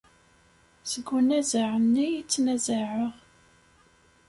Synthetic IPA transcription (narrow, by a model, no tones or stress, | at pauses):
səɡːunæzaʕənːijit͡sːnæzaʕəʁ